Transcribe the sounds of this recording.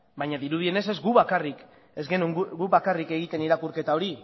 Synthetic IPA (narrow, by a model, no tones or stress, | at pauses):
bajɲaðiɾuð̞ie̞ne̞s̬e̞zɡuβakarik | e̞zɡenuŋɡuβakarike̞ɣ̞it̪e̞niɾakuɾke̞t̪ao̞ɾi